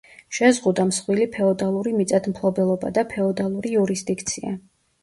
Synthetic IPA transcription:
ʃɛzʁud̪amsχwilipʰɛɔd̪alˠuɾimit̪sʼad̪mpʰlˠɔbɛlˠɔba̰d̪apʰɛɔd̪alˠuɾiuɾisd̪ikʰt̪sʰia̰

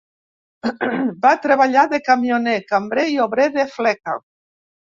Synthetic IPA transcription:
bat̪ɾeβaʎaðekamjonekambɾeioβɾeðeflɛka̰

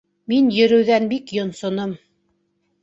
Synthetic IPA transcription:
minjɵ̆ɾɘ̆wðænbikjŏnsŏnom

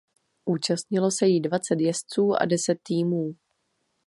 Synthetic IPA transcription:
ʔuːt͡ʃast̪ɲɪlo̞sɛjidvat͡sɛt̪jɛst͡suːʔa̰dɛsɛt̪ːiːmuː

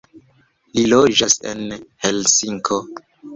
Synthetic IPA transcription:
lilod͡ʒasḛnhelsiŋkʰo

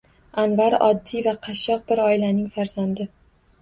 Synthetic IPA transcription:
anvaɾɒ̰d̪ːivaqʰɑʃːɒq̚bɪɾɒɪlanɪŋfaɾz̥and̪ɪ

